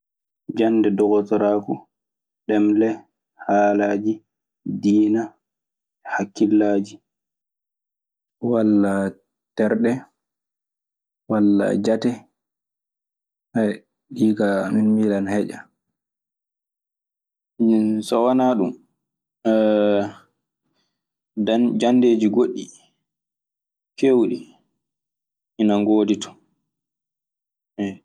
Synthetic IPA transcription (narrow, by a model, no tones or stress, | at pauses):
d͡ʒandɛdɔɡɔtɔɾaːku | ɗɛmlɛ | haːlaːd͡ʒi | diːna | hakːilːaːd͡ʒi | walːa | tɛɾɗɛ | walːa̰d͡ʒatɛ | haj | ɗiːɡaminmiːlanhɛd͡ʒa̰ | sɔwanaːɗum | and͡ʒandeːd͡ʒiɡoɗːi | kewɗi | ʔinaŋɡoːditɔ̥ | ɛ